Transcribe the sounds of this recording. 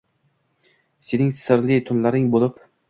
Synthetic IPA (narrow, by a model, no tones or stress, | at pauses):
senɪŋsɪɾlɪt̪ʰʊnlaɾɪŋbolˠɪp